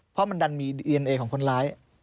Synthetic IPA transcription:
pʰɔ˦˥ma˧nda˧nmiː˧diː˧ʔe˧nʔeː˧kʰɔː˩˦kʰo˧nlaː˦˥j

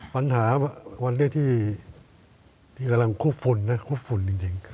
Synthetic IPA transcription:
pa˧nɦaː˩˦bɛ˧˩wa˧nːiː˥˨t̪ʰiː˥˩ | t̪ʰiː˥˩ka˧mla˧ŋkʰuː˦˥˩p̚fʰu˧nːa˦˥kʰu˦˥˩p̚fʰu˧nt͡ɕi˧ŋt͡ɕi˧ŋ

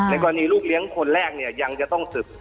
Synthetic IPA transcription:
na˧jkɔː˧a˧niː˧luː˥˩k̚li˨˦əŋkʰo˧nɾɛː˥˩k̚ni˥˩ɐja˧ŋt͡ɕa˨˩t̪ɔ˥˩ŋsɯ˨˩p̚

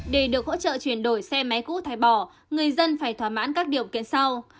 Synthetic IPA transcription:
ɗe˧˩ɗɨ˨˩ək̚ho̰˧˥t͡ɕə̰ː˧˨t͡ɕwi˧˩ənɗo˧˩jsɛ˧ma˨˦jkṵ˧˥t̪ʰaː˨˩jɓɔ˧˩ | ŋɨ˨˩əjzə˧nfaː˧˩jt̪ʰwaː˨˧˩ma̰ː˧˥nkaː˦˥k̚ɗi˨˩əwkḭ˧˨ənsa˧w

